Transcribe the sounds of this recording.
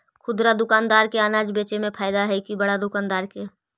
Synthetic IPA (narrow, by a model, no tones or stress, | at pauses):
kʰʊd̪ɾad̪ʊkaːnd̪aːɾkeaːnaːd͡ʒbeːt͡ʃemẽpʰaːɪd̪aɦɛikibɐɽad̪ʊkaːnd̪aːɾke